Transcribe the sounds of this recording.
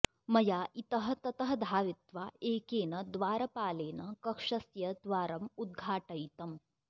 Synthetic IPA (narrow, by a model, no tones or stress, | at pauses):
mɐjaːʔit̪ɐɦɐt̪ɐt̪ɐɦɐd̪ʱaːʋit̪ʋaːeːkeːnɐd̪ʋaːɾɐpaːleːnɐkɐkʂɐsjɐd̪ʋaːɾɐmud̪̚ɡʱaːʈɐjt̪ɐm